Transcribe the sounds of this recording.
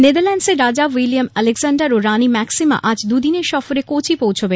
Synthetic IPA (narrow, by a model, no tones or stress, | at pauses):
ned̪aɾlɛnɖseɾɾad͡ʑawilijamɛleɡsaɳɖaɾoɾanimɛksima̰ʔad͡ʑd̪ud̪ineɾʃɔfoɾekot͡ɕʰipowt͡ɕʰobe